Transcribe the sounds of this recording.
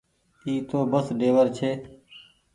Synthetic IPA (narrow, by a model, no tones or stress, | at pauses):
iːt̪oːbəsɖeːʋəɾt͡ʃʰeː